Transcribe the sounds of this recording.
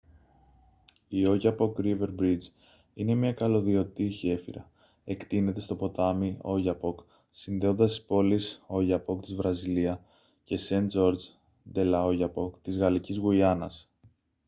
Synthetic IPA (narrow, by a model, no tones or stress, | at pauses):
io̞ʝɐpo̞kɾive̞ɾbɾid͡z | ine̞mɲɐkɐlo̞ðio̞t̪içe̞fḭɾɐ̰ | e̞kt̪ine̞t̪e̞st̪o̞po̞t̪ɐmio̞ʝɐpo̞k | sinðe̞o̞nd̪ɐst̪i̥spo̞liso̞ʝɐpo̞kt̪izvɾɐziliɐ | ce̞send͡ʒo̞ɾd͡ʒ | d̪e̞lɐo̞ʝɐpo̞kt̪izɣɐlicizɣuiɐnɐ̰s